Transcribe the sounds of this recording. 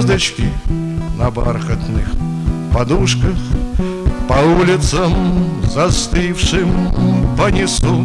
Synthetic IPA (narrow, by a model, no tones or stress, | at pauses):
zd̪ɐt͡ɕkʲɪ | nɐba̰rxət̪nɨx | pɐd̪uʂkəx | pɐulʲɪt̪səmzɐst̪ɨfʂɨmpənʲɪsu